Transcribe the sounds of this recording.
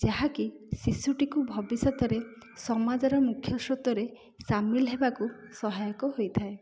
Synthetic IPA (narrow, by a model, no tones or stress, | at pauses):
d͡ʒaɦakisisuʈikubʱɔbisɔt̪ɔɾe | sɔmad͡ʒɔɾɔmukʰjɔsɾɔt̪ɔɾe | samilɦebakusɔɦajɔkɔɦojt̪ʰae